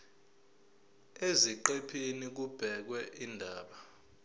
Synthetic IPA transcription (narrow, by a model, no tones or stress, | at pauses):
eziǃepʰinik̬ub̥ʱɛk̬wɛʔindʱaːɓa